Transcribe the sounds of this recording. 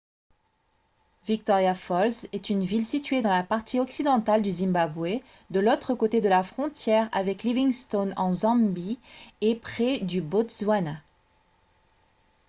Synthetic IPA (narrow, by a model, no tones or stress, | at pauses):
vik̚t̪ɔʁjafɔlsɛt̪ynvilsit̪ɥed̪ɑ̃lapaʁt̪ʰiɔksid̪ɑ̃t̪ald̪yzĩmbabwe | d̪əlot̪χəkot̪ed̪əlafχɔ̃t̪jɛʁa̰vɛkliviŋst̪onɑ̃zɑ̃biepχɛd̪ybot̪zwana